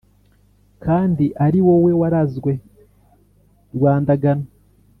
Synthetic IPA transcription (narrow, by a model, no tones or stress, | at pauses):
kʰaːndiʔaɾiwo̞we̞waɾazɡwe̞ | ɾɡwaːndaɡano